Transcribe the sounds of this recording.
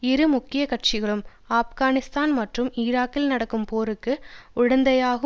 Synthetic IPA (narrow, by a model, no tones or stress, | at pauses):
ɪɾɯmʊkːɪjɐkɐʈ̚t͡ʃɪɣɐɭɯm | aːfɣaːnɪst̪aːnmɐʈrɯmɪːɾaːkːɪlnɐɽɐkːɯmpoːɾɯkːɯʊɻɐnd̪ɐjaːɣɯ